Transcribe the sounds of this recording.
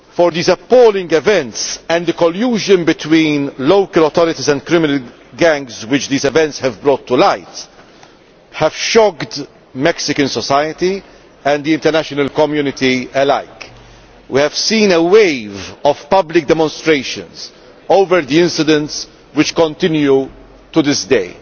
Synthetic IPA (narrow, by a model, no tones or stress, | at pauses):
fɔɾd̪iːzɐpːɔːlɪ̃ŋɡɛvɛ̃nt̪sɛ̃nd̪əkɔljuːʒə̃nbɪt̪wĩːnloʊkəlɔt̪ɔɾɪt̪izɛ̃nd̪kɾɪmɪnəl | ɡæ̃ŋɡzwɪt͡ʃd̪iːzɛvɛ̃ntshɛvbɾɔːt̪ːulaɪt̪ | hɛv̥ʃɔɡd̪ | mɛksɪkə̃nsɔsajət̪i | ɛ̃nd̪iɪ̃nt̪ɛɾnæʃɔnəlkɔmjuːnɪt̪iɛlaɪk | wihɛv̥sĩːnəweɪvɔv̥pɐblɪk̚d̪ɛmɔ̃nst̪ɾeɪʃə̰̃nz | oʊvəɾd̪iɪ̃nsɪd̪ə̃nts | wɪt͡ʃkɔ̃nt̪ɪ̃nju | t̪ud̪ɪsd̪eɪ